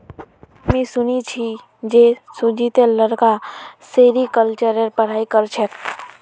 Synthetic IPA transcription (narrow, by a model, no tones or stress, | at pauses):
mẽsunit͡ʃʰi | d͡ʒesud͡ʒit̪eləɾkaseɾikəlt͡ʃəɾeɾpəɽ̤aːikəɾt͡ʃʰɛk